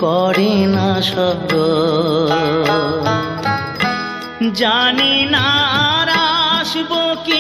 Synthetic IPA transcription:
kɔɾinaʃɔbɾo | d͡ʑaninaaɾaʃboki

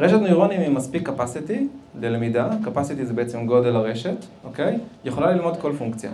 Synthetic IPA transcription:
ʁe̞ʃet̪nojʁo̞nimimaspikːapasit̪ilelemidakapasit̪izebeet͡semɡo̞d̪elaʁe̞ʃe̞t̪ʔo̞kejjeχo̞lalilmo̞d̪ko̞lfuŋkt͡sja̰

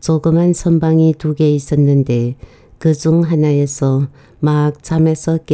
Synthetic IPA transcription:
t͡ɕoɡɯmansʰʌmbaŋituɡe̞is͈ʌnːɯnde̞ | kɯd͡ʑuŋɦanaesʰʌ | mak̚t͡ɕʰamesʰʌk͈e

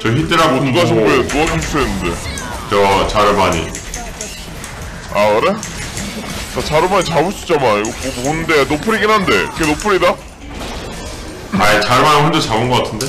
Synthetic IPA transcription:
t͡ɕʌçit͈ɯɾaɡouɡaɕʰiboetuɡaɕʰiɕi̥s͈oenːɯnde̞t͡ɕʌt͡ɕaɾɯmaɲḭ | akɯɾe̞ | t͡ɕat͡ɕaɾɯmaɲit͡ɕabuɕʰi̥t͡ɕ͈amaniɡopoponɯnde̞nopʰɯɾiɡinɦande̞iɡenopʰɯɾida | ait͡ɕaɾɯmanɯɦɯndot͡ɕabɯnɡʌk͈atʰɯnde̞

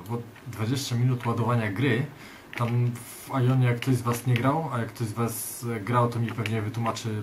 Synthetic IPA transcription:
bɔ | d̪vad͡ʑeɕt͡ɕamʲinut̪wad̪ɔvaɲaɡɾɘ | t̪am | valʲjɔɲɛjakːt̪ɔʑzvasɲɛɡɾawajakːt̪ɔʑzvas | ɡɾawt̪ɔmʲipɛvɲɛvɘt̪wumat͡ʂɘ

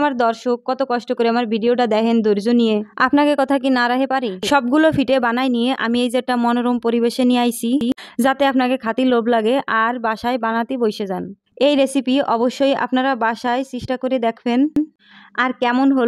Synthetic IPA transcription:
amaɾd̪ɔɾʃokːɔt̪okɔʃʈokoɾeamaɾbʱiɖioʈad̪ɛkʰend̪oɾd͡ʑonijeapnakekɔt̪ʰak̬inaɾaɦepaɾiʃɔbɡulofiʈebanajnijeʔa̰miejd͡ʑeʈːamɔnoɾompoɾibeʃeniajsʰid͡ʑat̪eapnakekʰat̪ilobʱlaɡeʔaɾbaʃaebanat̪ibojʃed͡ʑan | ejɾesipiʔɔboʃːoja̰pnaɾabaʃaesiʃʈakoɾed̪ɛkʰben | aɾkɛmonɦol

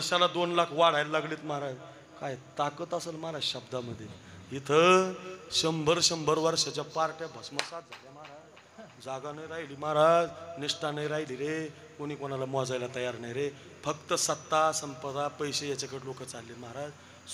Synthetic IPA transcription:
əɾɕalad̪onlakʰʋaɽ̤ajllaɡliːt̪maɦaɾad͡z | kajt̪akət̪asəlmaɾaɕəbd̪ʱaməd̪ʱːje | it̪ʰə | ɕəmbʱəɾɕəmbʱəɾʋəɾɕat͡ɕjapaɾʈjabʱəsməsat̪̚d͡zʱaljamaɾad͡z | d͡zaɡanəjɾaɦiliːmaɦɾad͡zniʂʈʰanəjɾaɦiliːɾe | koɽ̃iːkoñalamɔd͡zajlat̪əjaɾnajɾe | fəkt̪əsət̪ːasəmpəd̪apəjɕejat͡ɕakəɽlokət͡salːiːt̪məɦaɾad͡z

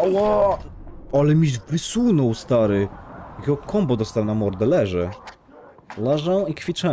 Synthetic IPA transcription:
wɔ | alɛmʲiʒvɾɪsunɔwst̪aɾɘkɔkʰɔmbɔd̪ɔst̪awnamɔɾd̪ɛlɛʐɛ | laʐawikfʲit͡ʂɛ

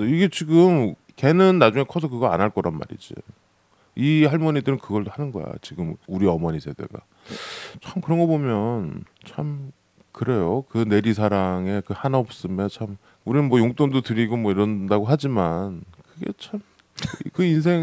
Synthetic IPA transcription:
ʌiɡe̞t͡ɕiɡɯm | ke̞nɯnːad͡ʑuŋe̞kʰʌsʰʌkɯɡʌa̰naɭk͈ʌɾanma̰ɾḭd͡ʑḭ | ihaɭmoɲidɯɾɯnkɯɡʌɭdohanɯnɡʌ̰ja̰t͡ɕiɡɯmuɾiʌmʌɲisʰe̞de̞̰ɡa̰ | t͡ɕʰamkɯɾʌnŋɡʌbomjʌn | t͡ɕʰam | kɯɾe̞jokɯne̞ɾisʰaɾaŋe̞kɯhanaop̚s͈ɯmet͡ɕʰam | uɾinɯnmwʌjoŋt͈ondotɯɾiɡomwʌiɾʌndaɡoɦad͡ʑimankɯɡe̞̰t͡ɕʰam | kɯins̬ʰe̞ŋ

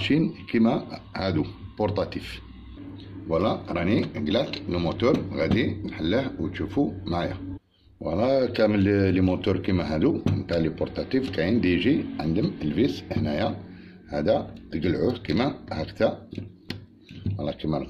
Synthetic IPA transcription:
ʃinkimæhæd̪upoɾˤt̪ˤɑt̪if | wəlːæɾˤɑniɡlæt̪limut̪uɾˤɣæd̪imħəlːəhwt̪ʃufumaʕjæ̰ | wʔə̰lːækæməllːimut̪uɾˤkimæɦæd̪uənt̪aʕlipoɾt̪ˤɑt̪ifkæjind̪iʒiʕənd̪əməlbishnæjæ | hæd̪æt̪əɡəlʕuhkimæhækt̪æ | wəlːækimæ

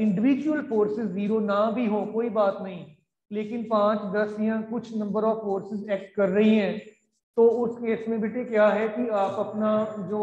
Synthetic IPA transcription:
ɪ̃ɳɖɪʋiːd͡ʒuəlfoːɾsɪzːiːɾoːnãbʱiɦõːkoːibaːt̪nɐɦĩː | leːkɪnpãːt͡ʃd̪ɐsijãkʊt͡ʃʰnɐ̃mbəɾɔːffoːɾsɪzɛːk̚ʈ̚kɐɾːɐɦiɦɛ̃ː | t̪oːʊskeːsmẽbeːʈʰekjaːɦɛkiaːpɐpnad͡ʒoː

